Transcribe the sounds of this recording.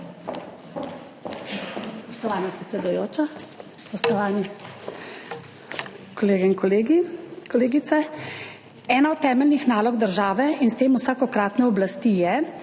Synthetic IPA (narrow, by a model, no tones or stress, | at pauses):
spɔʃt̪ɔʋaːnapɾɛt̪sɛd̪ujoːt͡ʃa | spɔst̪ɔʋaːni | kɔleːɡɛinkɔleɡikɔleːɡit̪sɛ | ɛːnaɔt̪ːɛːmɛlnixnaːlɔɡd̪əɾʒaːʋɛinst̪eːmusaːkɔkɾaːt̪nɛɔblast̪ijɛ